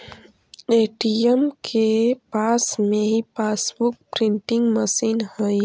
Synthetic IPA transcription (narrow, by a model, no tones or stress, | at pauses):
eːʈiəmkʰepaːsmẽɦipaːsbʊk̚pɾɪ̃ɳʈɪ̃ŋɡməsiːnhəi